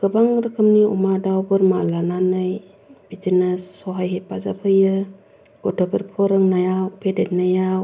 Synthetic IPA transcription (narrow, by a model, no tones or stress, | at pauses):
kɯbaŋɾɯkʰɯmniṵmadawbɯɾmalananɯj | b̥itinasːɔɦajɦepazapʰɯjɯ | ɡ̥ɔtʰəpɯɾpʰɔɾɯŋnajawpʰedet̚najaw